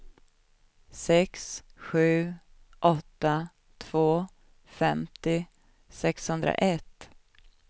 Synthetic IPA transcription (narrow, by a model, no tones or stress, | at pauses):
sɛksɧʉ̟ː | ʔɔt̪ːa | t̪ʰv̥oː | fɛmt̪ɪ | sɛkshɵnd̪ɾa̰ʔɛt̪ː